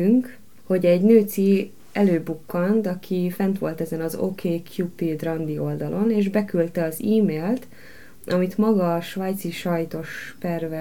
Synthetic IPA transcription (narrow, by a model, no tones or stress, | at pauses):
yŋk | ho̞ɟɛɟnøːt̪si | ɛløːbukːɒnt̪ɒkʰifɛnt̪ʋo̞lt̪ɛzɛnɒzo̰ːkʰeːkʰjupid̪rɒnd̪io̞ld̪ɒlʔo̞neːʒbɛkylt̪ɛɒziːmeːlt̪ | ʔɒmit̪mɒɡɒʃʋaːjt̪siʃɒjt̪o̞ʃpɛrvɛ